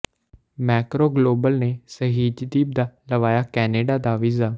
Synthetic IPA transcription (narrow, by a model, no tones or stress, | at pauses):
mɛːkɾoːɡloːbəlneːsəɦiːd͡ʒd̪iːb̚d̪aːləʋaːjaːkɛːneːɖaːd̪aːʋɪzaː